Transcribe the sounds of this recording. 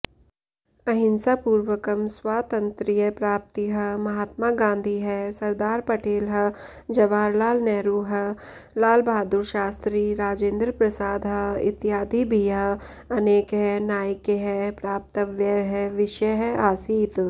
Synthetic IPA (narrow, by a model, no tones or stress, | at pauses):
ɐɦɪ̃nsapuːɾwəkɐmswaːt̪ɐ̃nt̪ɾijəpɾaːp̚t̪iɦɐmɐɦaːt̪̚maɡãːnd̪ʱiɦɛsɐɾd̪aːɾpɐʈeːlɦɐ | d͡ʒɐʋaːɾlaːlnɛːɾuːɦɐ | laːlbʱaːd̪uɾʃaːst̪ɾiɾaːd͡ʒẽːnd̪ɾəpɾɐsaːd̪ɦɐɪ̰t̪jaːd̪ʱibʱiɐ | ɐneːkɦɛnaːjkeɦɛpɾaːp̚t̪əʋjəɦɛʋɪʃjəɦɛaːsiːt̪